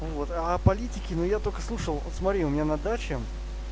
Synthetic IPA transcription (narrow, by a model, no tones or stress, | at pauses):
vo̞t̪apɐlʲitʲɪkʲɪnujat̪o̞lʲkə̥slˠuʂəlˠt̪smɐt̪ɾʲiʊmʲɪnʲanɐd̪at͡ɕɪ